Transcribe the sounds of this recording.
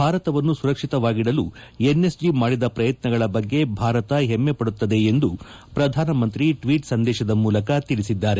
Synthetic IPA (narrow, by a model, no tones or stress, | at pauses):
bʱaːɾɐt̪ɐʋɐnːusuɾɐkʂit̪ɐʋaːɡiɽɐlu | ene̞sd͡ʒimaːɽid̪ɐpɾɐjɐt̪nɐɡɐɭɐbɐɡːe̞bʱaːɾɐt̪ɐɦemːe̞pɐɽut̪ːɐd̪e̞ːnd̪u | pɾɐd̪ʱaːnɐmɐnt̪ɾiʈʋiːʈsɐnd̪ɛːʃɐd̪ɐmuːlɐkɐt̪iɭisid̪ːaːɾe